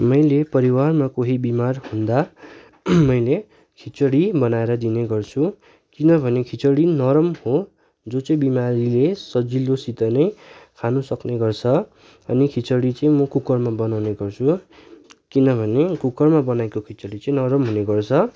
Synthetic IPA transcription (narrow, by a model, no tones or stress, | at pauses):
mʌjlepʌɾiwarmakoɦibimarhũnd̪a | mʌjle | kʰit͡sʌɽibʌnaeɾʌd̪ineɡʌrt͡sʰu | kinʌbʱʌnekʰit͡sʌɽinʌɾʌmho | d͡zot͡sʌĩbimaɾilesʌd͡zilːosit̪ʌnʌj̃kʰanusʌkneɡʌrt͡sʰʌ | ʌnikʰit͡sʌɽit͡sʌĩmʌkukʌrmabʌnawneɡʌrt͡sʰu | kinʌbʱʌnekukʌrmabʌnaekokʰit͡sʌɽit͡sʌ̃ĩnʌɾʌmɦuneɡʌrt͡sʰʌ